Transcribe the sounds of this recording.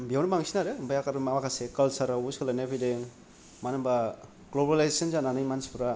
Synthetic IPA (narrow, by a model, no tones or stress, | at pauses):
biawnbaŋsinaɾɯbajakaɾmamakʰasekalsaɾawuskʰalanepʰideŋ | manaba | ɡlobɾalajzesɯnzananɯjmansi̥pʰuɾa